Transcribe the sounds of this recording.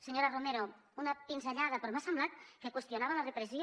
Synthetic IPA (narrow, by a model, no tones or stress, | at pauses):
seɲoɾaromeɾounapinzeʎaðɐpɾomasemblat̪̚kekwest̪ionaβəlarepɾesio